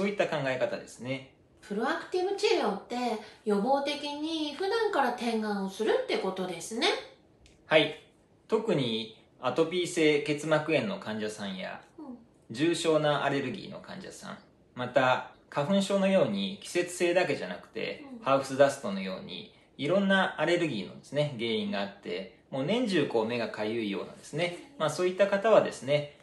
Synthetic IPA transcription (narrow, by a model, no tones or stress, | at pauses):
so̞ːit̪ːakãŋɡae̞kat̪ad̪e̞sɨne̞ | pɯ̟ɾo̞akɯ̟̥t̪iβɯ̟t͡ɕeɾoːt̪ːe̞jo̞bo̞ːt̪e̞kʲiɲ̟iɸɯ̟d̪ãŋkaɾat̪ẽ̞ŋɡãɰ̃osɨɾɯ̟t̪ːe̞ko̞t̪o̞d̪e̞sɨne̞ | hai | t̪o̞kɯ̟ɲ̟i | at̪o̞pʲiːse̞ːke̞t͡sɨmakɯ̟ẽ̞nːo̞kãɲ̟d͡ʑasãɰ̃ja̰ | d͡ʑɨːɕo̞ːnaʔa̰ɾe̞ɾɯ̟ɡʲḭːno̞̰kã̰ɲ̟d͡ʑa̰sã̰ɴ | mat̪akaɸɯ̟̃ɰ̃ɕo̞ːno̞jo̞ːɲ̟ikʲi̥se̞t͡sɨ̥se̞ːd̪ake̞ʑanakɯ̟̥t̪e̞̰haɯsɨd̪asɨ̥t̪o̞no̞jo̞ːɲ̟ḭ | iɾõ̞nːaːɾe̞ɾɯ̟ɡʲiːno̞̰d̪e̞̥sɨne̞ɡe̞ːĩŋɡaːt̪ːe̞ | mo̞ːnẽ̞ɲ̟d͡ʑɨːko̞ːme̞ɡakajɯ̟ijo̞̰ːna̰d̪e̞sɨne̞maːso̞ːit̪ːakat̪aβ̞ad̪e̞sɨne̞